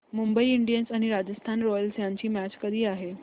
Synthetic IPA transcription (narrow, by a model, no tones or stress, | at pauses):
mumbəiiɳɖijənsaɽ̃iɾad͡ʑəst̪ʰanɾɔjəlsjaɲt͡ɕiːmæt͡ɕkəd̪ʱiːaɦe